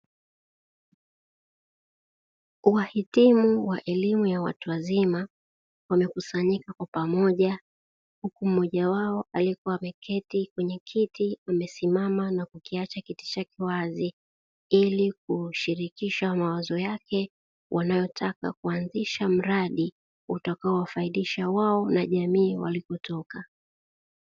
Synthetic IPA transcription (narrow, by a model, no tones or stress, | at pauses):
uahitimuwaʔɛlimujawa̰tuwazima | wamɛkusaɲikakwapamɔʄa | hukum̩mɔʄawaɔʔalikuwamɛkʰɛtikwɛɲɛkʰitiamɛsimamanakukiat͡ʃakiti̥t͡ʃakɛwazi | ilik̚uʃiɾikiʃamawazɔjakɛ | wʔanajɔtʰaka̰k̚uanziʃam̩ɾaɗi | utakaɔwafaiɗiʃawaɔnaʄamiːwa̰likɔtʰɔka